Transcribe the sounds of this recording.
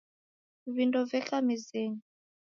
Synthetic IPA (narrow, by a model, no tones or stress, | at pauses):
βindɔvɛkamizeːɲi